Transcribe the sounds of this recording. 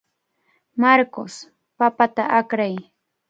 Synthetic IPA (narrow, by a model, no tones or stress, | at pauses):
maɾkos | papat̪aʔakɾaj